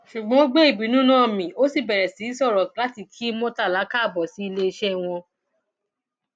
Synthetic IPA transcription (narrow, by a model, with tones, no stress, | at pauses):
ʃu˨ɡ͡bɔ̃˨˦ɡ͡be˦i˦˨bi˨˦nũ˦nãː˦˨mĩ˨o˦si˦˨bɛ˨ɾɛ˨si˨˦sɔ˦˨ɾɔ˨la˦ti˦˨kʰi˦mõ˦ta˦˨la˨˦ka˦˨bɔ˨si˨˦i˧le˦i˧ʃɛ˦w̃ɔ̃˧